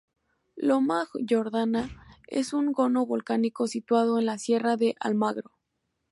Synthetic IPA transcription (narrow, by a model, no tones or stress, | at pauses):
lomaɣʝo̞ɾðanaḛsuŋɡo̞no̞βo̞lkaniko̞sit̪wað̞o̞enlasje̞raðe̞ʔa̰lmaɣɾo